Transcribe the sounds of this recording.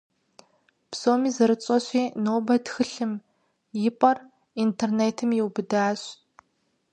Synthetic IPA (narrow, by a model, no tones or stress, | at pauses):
psoːmiːzɐɾɨt͡sʼɔɕʼiːnoːbɐtxɨɬɨm | jɪpʼɐr | intʰerneːtʰɨmjɪwbɨdaːɕ